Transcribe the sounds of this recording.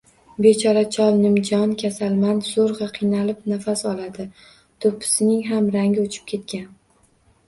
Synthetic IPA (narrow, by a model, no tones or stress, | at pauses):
be̞t͡ʃʰɒɾat͡ʃʰɒlˠnɪmd͡ʒɒnkʲʰasalˠmanz̥oɾʁɑqʰɨjnalɪpnafasɒlad̪ɪ | t̪ʰopʰːɪ̥sɪnɪŋɦamɾaŋɡʲɪot͡ʃʰɪ̥p̚kʲʰe̞t̪kʲan